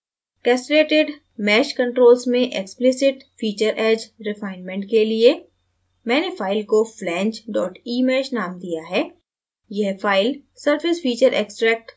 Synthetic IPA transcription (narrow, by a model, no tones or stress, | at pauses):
kɛːsʈɾeːʈɪɖ | mɛːʃkɐ̃ɳʈɾoːlsmẽʔeksplɪsɪʈfiːt͡ʃəɾʔɛːd͡ʒɾɪfaːɪnmɛ̃ɳʈkelie | mɛ̃ːnefaːɪlkoflɛ̃ːɲt͡ʃɖɔːʈiːmɛːʃnaːmd̪ijaɦɛː | jɛɦfaːɪlsəɾfɪsfiːt͡ʃəɾʔḛːksʈɾɛːk̚ʈ